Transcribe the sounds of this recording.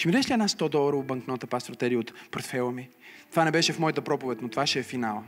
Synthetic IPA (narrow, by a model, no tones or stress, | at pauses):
ʃimid̪ɛʃliɛd̪nast̪ɔd̪ɔlˠəɾəobɐŋknɔt̪əpast̪ɾot̪ɛɾiəot̪poɾt̪fɛlˠəmit̪ovanɛbɛʃɛfmɔjət̪əpɾɔpʊvɛt̪ʲnot̪ovaʃɛːfinalˠ